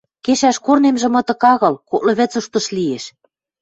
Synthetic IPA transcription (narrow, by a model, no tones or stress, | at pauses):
keʃæʃkornemʒĕmɤ̆t̪ɤ̆kɑɣɤ̆lkok̚lɤ̆βɘ̆t͡suʃt̪ɤ̆ʃlieʃ